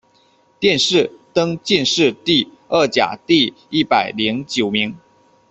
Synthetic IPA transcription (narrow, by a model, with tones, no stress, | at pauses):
t̪jɛ˥˧nʂɻ̩˥˩t̪ɤ˥ŋt͡ɕi˥˧nʂɻ̩˥˧t̪i˥˧ | ə˥˩t͡ɕja̰˨˩t̪i˥˧ | i˥˩pa˨˩ɪli˧˥ŋt͡ɕjo˨˩ʊmi˧˥ŋ